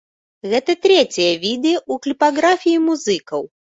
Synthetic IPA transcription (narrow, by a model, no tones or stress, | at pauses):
ɣɛt̪ɐt̪ɾʲɛt͡sʲijɐvʲid̪ɨjɐuklʲipaɣɾafʲijimuzɨkɐw